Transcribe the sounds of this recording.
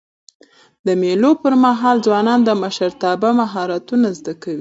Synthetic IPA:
d̪əmelopəɾmaɦɑld͡zwɑnɑnd̪əmaʃaɾt̪ɑbamaɦɑɾat̪unazd̪akawi

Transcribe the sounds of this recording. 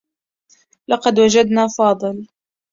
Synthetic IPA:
lɑqɑd̪wad͡ʒad̪naːfɑːd̪ˤɨl

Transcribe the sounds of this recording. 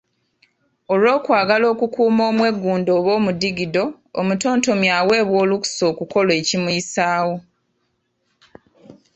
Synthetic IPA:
olwo̞ːkwaːɡalo̞ːkukuːmoːmwe̞ɡːuːndo̞ːβo̞ːmudiɡido̞ː | muto̞ːnto̞mjaːwe̞ːβwo̞ːluku̥so̞ːkuko̞lwe̞ːcimuisaːwo̞

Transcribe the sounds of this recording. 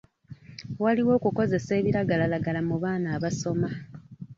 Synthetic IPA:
waliwo̞ːkuko̞ze̞se̞ːβiɾaɡalalaɡalamuβaːnaːβaso̞ma

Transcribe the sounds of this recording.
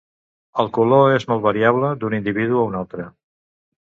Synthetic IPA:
əlˠkuloezmɔlˠβəɾiaβləd̪unind̪iβiðuəunalˠt̪ɾə

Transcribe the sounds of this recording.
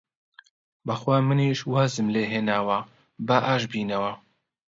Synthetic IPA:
bɐxwaːmɨniʃwaːzɨmleːɦeːnaːwɐ | bɐʔaːʃbiːnɐwɐ

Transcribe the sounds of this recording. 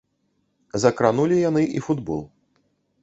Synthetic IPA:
zɐkɾanulʲijanɨʔḭfud̪bɔ̰lˠ

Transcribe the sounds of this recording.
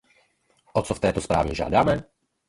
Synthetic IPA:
ʔɔt͡sɔft̪ɛjt̪ɔspɾa̰ːʋḭʒɪa̰d̪amɛ

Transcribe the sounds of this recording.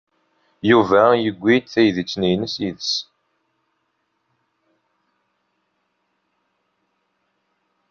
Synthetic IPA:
juvæjəɡʷːit̪θæjðit͡sːnijnəsiðəs

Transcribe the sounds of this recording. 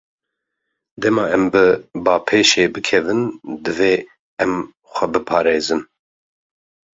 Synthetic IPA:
d̪ɛmɑːɛmbɨbɑːpʰeːʃeːbɨkʰɛvɨnd̪ɨveː | ɛm | xʷɛbɨpʰɑːɾeːzɨn

